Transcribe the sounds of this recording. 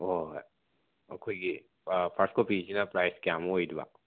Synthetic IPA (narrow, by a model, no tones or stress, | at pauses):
o | ɐ̰kʰojɡi | pʰaɾskopizinapɾajskjamojdiba̰